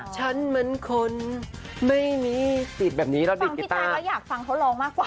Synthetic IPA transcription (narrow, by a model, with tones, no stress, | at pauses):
t͡ɕʰa˦˥nmɯ˧˥nkʰo˧n | ma˥˩jmiː˧si˨˩bɛː˨˩p̚niː˦˥ɾa˧˥diː˨˩˧ŋkːi˧˩t̪aː˩˧˩a˦˥jaː˨˩k̚fa˧ŋt̪ʰa˥˩loː˧ŋmaː˥˩kwaː˨˩